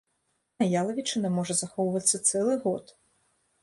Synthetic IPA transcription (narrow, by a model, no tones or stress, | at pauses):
ɐjalˠɐvʲit͡ʂɨnɛmɔʐɛzɐxɔwvɐt̪sʲːɐt̪sɛlˠɪɣɔt̪